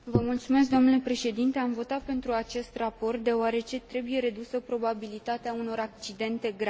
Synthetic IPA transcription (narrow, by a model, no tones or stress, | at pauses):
vəmult̪sume̞s̬k̚d̪o̞mnule̞pɾe̞ʃe̞d̪int̪e̞amvo̞t̪at̪̚pe̞nt̪ɾuat͡ʃe̞st̪rapo̞rt̪̚d̪e̞oaɾe̞t͡ʃe̞t̪ɾe̞buje̞ɾe̞d̪usəpɾo̞babilit̪at̪eauno̞ɾak̚t͡ʃid̪e̞nt̪e̞ɡɾa